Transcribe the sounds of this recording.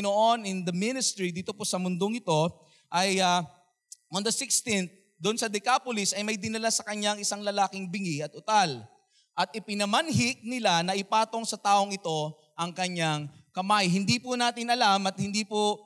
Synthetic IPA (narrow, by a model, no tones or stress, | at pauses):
noʔo̞nɪnd̪ɐmɪnɪst̪ɾid̪iːt̪o̞posɐmʊnd̪oŋɪt̪o̞ | ʔɐjɐ | ond̪ɐsɪkst̪ɪnθ̚ | d̪ʊnsɐd̪ɛkaːpolɪsɐjmɐjd̪ɪnɐlasɐkɐɲaŋɪsaŋlɐlaːkɪŋbɪŋiɐt̪̚ʔʊt̪al | ʔɐt̪̚ʔɪpɪnɐmɐnɦɪk̚nɪlanɐʔɪpaːt̪o̞ŋsɐt̪aːʔo̞ŋɪt̪o̞ | ʔɐŋkɐɲaŋkɐmajɦɪnd̪ipʊnaːt̪ɪnɐlamɐt̪̚hɪnd̪iːpo